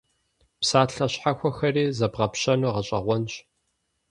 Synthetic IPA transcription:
psaːɬɐɕħaxʷɔxɐriːzɐbʁɐpɕɐnuːʁɐɕʼɐʁʷɔnɕ

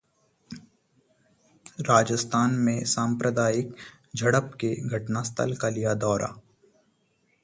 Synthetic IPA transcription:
ɾaːd͡ʒəst̪ʰaːnmẽsãːmpɾəd̪aːɪk | d͡ʒʱɐɽəpkeɡʱɐʈnast̪ʰə̰lkalijad̪ɔːɾʔa̰

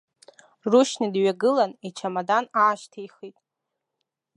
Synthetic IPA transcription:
ruʃnidɥaɡɨlanit͡ʃʰamadanaːʃtʰajχitʼ

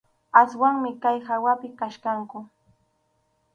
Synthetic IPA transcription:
aswaŋmɪkajhawapɪkaʃkaŋkʊ

